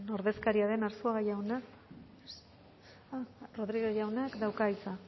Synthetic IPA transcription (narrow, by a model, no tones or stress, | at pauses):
no̞ɾðe̞skaɾiaðe̞naɾsuaɣajawna | ro̞ðɾiɣeʝawnakd̪awkajt͡sa